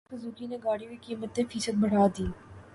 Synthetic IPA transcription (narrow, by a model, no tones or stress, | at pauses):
kezuːkineɡaːɽiwikiːmət̪ːẽfiːsəd̪̚bɐɽ̤aːd̪iː